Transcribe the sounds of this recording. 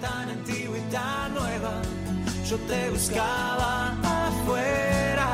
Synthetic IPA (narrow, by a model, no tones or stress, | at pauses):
t̪anẽnt̪iβwit̪a | nweβa | ʒ̥ot̪eβuskalaafweɾa